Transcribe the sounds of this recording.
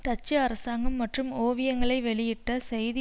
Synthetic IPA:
ʈɐt͡ʃːɐɐɾɐsaːŋɡɐmːɐʈrɯmoːʋɪjɐŋɡɐɭɐɪʋɛɭɪjɪʈːɐsɛjðɪ

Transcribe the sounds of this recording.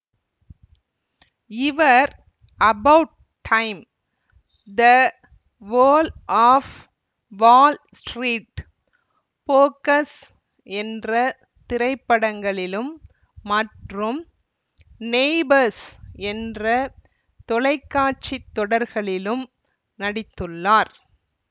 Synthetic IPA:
ɪʋɐɾ | ɐbɐʊʈ̚ | ʈʰːɐɪm | d̪ɐ | ʋoːlʔaːf | ʋaːl | sʈɾiːʈ | poːkɐs | ɛndrɐ | t̪ɪɾɐɪpːɐɽɐŋɡɐɭɪlɯmː | ɐʈrɯm | neːbɐɾsɛndrɐ | t̪ɔlɐɪkːaːʈ̚t͡ʃit̪ːɔɽɐɾɣɐɭɪlɯm | nɐɽɪt̪ːɯɭːaːɾ

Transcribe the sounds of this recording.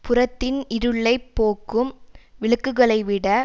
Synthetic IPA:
pʊrɐt̪ːɪnɪɾɯɭːɐɪpːoːkːɯmʋɪɭɯkːɯɣɐɭɐɪʋɪɽɐ

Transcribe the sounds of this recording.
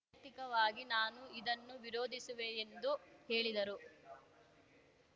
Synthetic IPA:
t̪ikɐʋaːɡinaːnuid̪ɐnːuʋiɾoːd̪ʱisuʋeːnd̪uheːɭid̪ɐɾu

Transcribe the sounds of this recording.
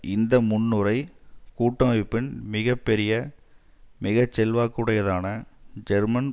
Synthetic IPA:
ɪnd̪ɐmʊnːɯɾɐɪkuːʈːɐɐʋɪpːɪnmɪɣɐpːɛɾɪjɐ | mɪɣɐt͡ʃːɛlʋaːkːuːɽɐjɐðaːnɐd͡ʒɛɾmɐn

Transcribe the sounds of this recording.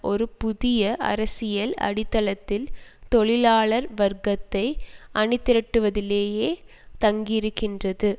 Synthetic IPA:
ʔɔɾɯpʊðɪjɐʔɐ̰ɾɐsɪjɐlɐ̰ɽɪt̪ːɐlɐt̪ːɪlt̪ɔɭɪlaːɭɐɾʋɐɾɡɐt̪ːɐɪʔɐɳɪt̪ːɪɾɐʈːɯʋɐðɪleːjeː | t̪ɐŋɡɪɪɾɯkːɪndrɐðɯ

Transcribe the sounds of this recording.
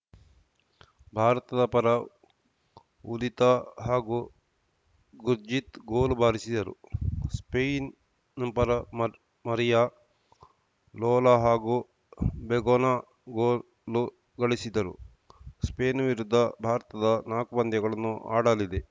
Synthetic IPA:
bʱaːɾɐt̪ɐd̪ɐpɐɾɐ | ulit̪ɐɦaːɡu | ɡuɾd͡ʒit̪ɡoːlubʱaːɾisid̪ɐɾṵspejn | npɐɾɐm | mɐɾija | lɔːlaɦaːɡu | beɡoːnaː | ɡoː | lu | ɡɐɭisid̪ɐɾṵ | speːnʋiɾud̪ʱːɐbʱaːɾɐt̪ɐd̪ɐnaːkubɐnd̪jɐɡɐɭɐnːuʔa̰ːɽɐlid̪e

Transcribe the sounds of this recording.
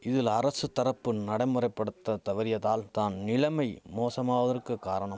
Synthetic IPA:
ɪðɪlɐɾɐsɯt̪ːɐɾɐpːɯnɐɽɐɪmɯrɐɪpːɐɽɯt̪ːɐt̪ɐʋɐɾɪjɐðaːlt̪aːnnɪlɐmɐɪmoːsɐmaːʋɐðɐrkɯkːaːɾɐɳɐm

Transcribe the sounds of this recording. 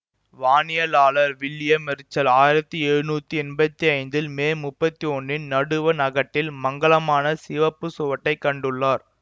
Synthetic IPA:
ʋaːnɪjɐlaːɭɐɾʋɪlːɪjɐmɛɾɯt͡ʃːɐlaːjɪɾɐt̪ːɯɛɻɯnuːt̪ːɯɛnbɐt̪ːiɐɪnd̪ɪlmeːmʊpːɐt̪ːiɔnːɪnnɐɽɯʋɐnɐɣɐʈːɪlmɐŋɡɐɭɐmaːnɐsɪʋɐpːɯsʊʋɐʈːɐɪkːɐɳɖɯɭːaːɾ

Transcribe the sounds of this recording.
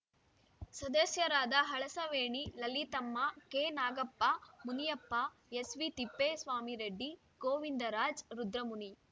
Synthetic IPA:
sɐd̪ɐsjɐɾaːd̪ɐɦɐɭɐsɐʋeːɳilɐlit̪ɐmːɐkeːnaːɡɐpːamunijɐpːɐ | esʋit̪ipːesʋaːmiɾeɖːi | koːʋind̪ɐɾaːd͡ʒɾud̪ɾɐmuni

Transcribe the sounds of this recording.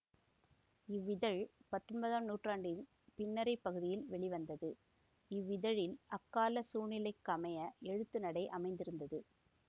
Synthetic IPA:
ɪʋːɪðɐɻpɐt̪ːrɔɳbɐðaːmnuːʈraːɳɖɪn | pɪnːɐɾɐɪpːɐɣɯðɪjɪlʋɛɭɪʋɐnd̪ɐðɯ | ɪʋːɪðɐɻɪlʔɐkːaːlɐsuːɳɪlɐɪkːɐmɐjɐɛɻɯt̪ːɯnɐɽɐɪʔɐmɐɪnd̪ɪɾɯnd̪ɐðɯ

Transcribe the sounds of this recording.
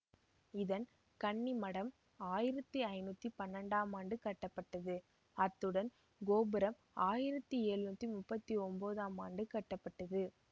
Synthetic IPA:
ɪðɐn | kɐɳːimɐɽɐm | aːjɪɾɐt̪ːiɐɪnuːt̪ːipɐnːɐɳɖaːmaːɳɖɯkɐʈːɐpːɐʈːɐðɯ | ɐt̪ːɯɽɐn | ɡoːbɯɾɐm | aːjɪɾɐt̪ːieːɻɯnuːt̪ːimʊpːɐt̪ːiɔmboːðaːmaːɳɖɯkɐʈːɐpːɐʈːɐðɯ

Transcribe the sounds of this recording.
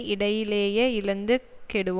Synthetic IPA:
ɪɽɐjɪleːjɐɪlɐnd̪ɯkɛɽɯʋ

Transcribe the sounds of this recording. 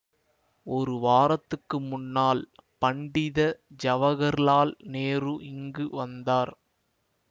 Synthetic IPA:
ɔɾɯʋaːɾɐt̪ːɯkːɯmʊnːaːlpɐɳɖɪðɐd͡ʒɐʋɐɣɐɾlaːlneːrɯʔɪŋɡɯʋɐnd̪aːɾ

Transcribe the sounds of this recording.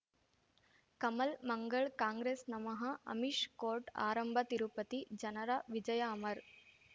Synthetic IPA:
kɐmɐlmɐŋɡɐɭkaːŋɡɾeːsnɐmɐɦɐɐ̰miʂkoːɾʈa̰ːɾɐmbʱɐt̪iɾupɐt̪id͡ʒɐnɐɾaʋid͡ʒɐjaːmɐɾ

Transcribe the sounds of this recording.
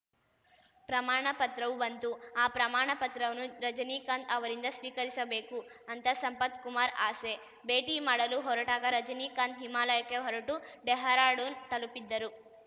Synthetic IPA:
pɾɐmaːɳɐpɐt̪ɾɐʋubɐnt̪uaːpɾɐmaːɳɐpɐt̪ɾɐʋɐnuɾɐd͡ʒɐniːkaːnd̪ɐʋɐɾind̪ɐsʋiːkɐɾisɐbe̞ːku | ɐnt̪ɐsɐmpɐt̪kumaːɾaːse | be̞ːʈiːmaːɽɐluɦɔɾɐʈaːɡɐɾɐd͡ʒɐniːkaːnd̪ɦimaːlɐjɐkːeɦɔɾɐʈuɖɛɦɐɾaːɽunt̪ɐlupid̪ːɐɾu

